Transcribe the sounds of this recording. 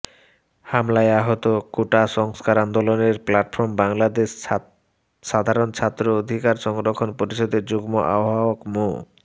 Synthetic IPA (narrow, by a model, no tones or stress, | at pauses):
hamlaeaɦot̪okoʈaʃɔŋskaɾand̪oloneɾplaʈfʰoɾmbaŋlad̪eʃ | ʃad̪ʱaɾont͡ɕʰat̪ːɾood̪ʱikaɾʃɔŋɡɾokʰonpoɾiʃod̪eɾd͡ʑuɡmoʔa̰boɦaokmo